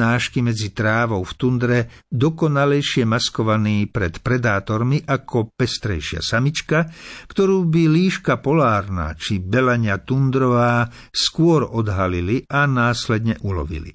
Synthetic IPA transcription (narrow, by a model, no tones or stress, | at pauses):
aːʃkimɛd͡zit̪ɾaːʋɔʊft̪und̪ɾɛd̪ɔkɔnalɛjʃɪɛmaskɔʋaniːpɾɛt̪pɾɛd̪aːt̪ɔɾmiʔakʰɔpɛst̪ɾɛjʃɪa̰samit͡ʃkakt̪ɔɾuːbiliːʃkapɔlaːɾna̰t͡ʃibɛlaɲat̪und̪ɾɔʋaː | skʊɔɾɔd̪ɦaliliʔanaːslɛd̪ɲɛʔulɔ̰ʋḭlḭ